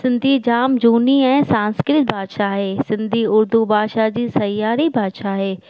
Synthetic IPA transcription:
sɪ̃nd̪ʱid͡ʑaːmd͡ʑuːniɛ̃ːsãːnskɾɪt̪̚bʱaːd̪ʃaɦeːsɪ̃nd̪ʱiʊɾd̪ubʱaːʃad͡ʑiːsɐjaːɾibʱaːd̪ʃaɦeː

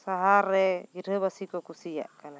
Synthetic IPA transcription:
saɦaɾɛiɾəβasikɔkusia̰ʔkala

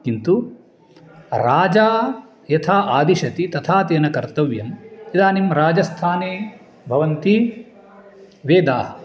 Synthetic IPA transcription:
kint̪u | ɾaːd͡ʒaː | jɐt̪ʰaːʔaːd̪iʃɐt̪it̪ɐt̪ʰaːt̪eːnɐkɐɾt̪ɐʋjɐmid̪aːnimɾaːd͡ʒɐst̪ʰaːneː | bʱɐʋɐnt̪i | ʋeːd̪aː

